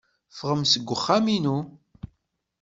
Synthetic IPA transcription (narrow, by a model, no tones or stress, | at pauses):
fəʁəmsəɡʷːəχːaminu